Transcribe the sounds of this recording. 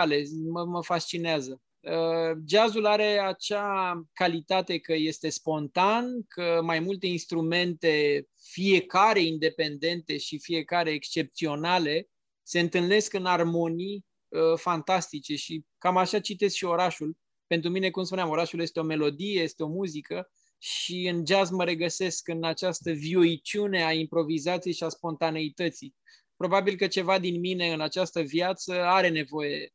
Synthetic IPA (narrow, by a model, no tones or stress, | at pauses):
ale̞məməfast͡ʃineazə | əd͡ʒazulaɾe̞at͡ʃakalit̪at̪e̞kəje̞st̪e̞spo̞nt̪ankʰəmajmult̪e̞inst̪ɾume̞nt̪e̞ | fije̞kaɾe̞ind̪e̞pe̞nd̪e̞nt̪e̞ʃifije̞kaɾe̞ːkst͡ʃe̞p̚t̪sio̞nale̞ | se̞ɨnt̪ɨlne̞skɨnarmo̞nij | əfant̪ast̪it͡ʃe̞ʃikamaʃat͡ʃit̪e̞skʃio̞ɾaʃul | pe̞nt̪ɾumine̞kumspunʲamo̞ɾaʃulje̞st̪eo̞me̞lo̞d̪ije̞je̞st̪eo̞muzikə | ʃiɨnd͡ʒazməɾe̞ɡəse̞skɨnat͡ʃast̪əvioit͡ʃune̞aimpɾo̞vizat̪sijejʃiaspo̞nt̪ane̞it̪ət̪si | pɾo̞babilkət͡ʃe̞vad̪inmine̞ɨnat͡ʃast̪əvjat̪səaɾe̞ne̞vo̞je̞